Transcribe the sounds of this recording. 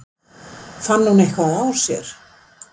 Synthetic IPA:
fanːhunejhkvaðaw̥sjɛ̰ɾ̥

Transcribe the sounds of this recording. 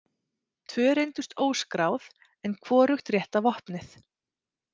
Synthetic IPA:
t̪ʰvœːɾejnt̪ʏst̪oːwskɾaːwð | ɛnkʰv̥ɔːɾʏxt̪rjɛht̪avɔhpnɪθ

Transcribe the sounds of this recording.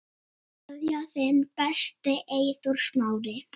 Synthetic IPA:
aðjaθɪnpɛst̪ɪʔeːjθɔɾ̥smaːwɾɪ

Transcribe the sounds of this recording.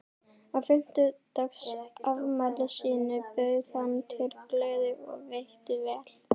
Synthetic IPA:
afɪm̥t̪ʏt̪œksavmalɪsiːnʏpœɥθanːt̪ʰɪlplœːɥðɪɔ̰ɣvejht̪ɪvɛːl̥

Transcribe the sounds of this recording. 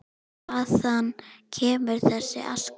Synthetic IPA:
aθanːcʰɛːmʏɾ̥θɛsːɪ̰ʔa̰sk

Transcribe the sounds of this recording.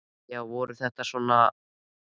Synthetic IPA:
jawvɔɾʏθɛht̪asvɔna

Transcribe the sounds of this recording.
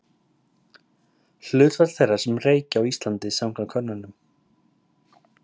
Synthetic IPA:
l̥ʏːt̪vat̪θerːaɾ̥sɛmreːjcɪawist̪lant̪ɪsamkʰlakʰœnːanʏm

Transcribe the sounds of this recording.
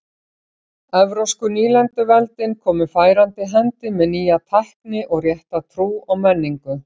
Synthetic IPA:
ɛvɾowskʏniːlɛnt̪ʏvɛlt̪ɪnkʰɔːmʏfaːjɾant̪ɪɦɛnt̪ɪmɛðniːjat̪ʰahknɪʔɔɣrjɛht̪at̪ʰɾuːawmɛnːiŋkʏ

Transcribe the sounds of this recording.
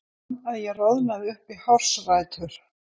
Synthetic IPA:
aðjɛɣrowðnaðɪʏhpihawr̥sraːjt̪ʰʏɾ̥

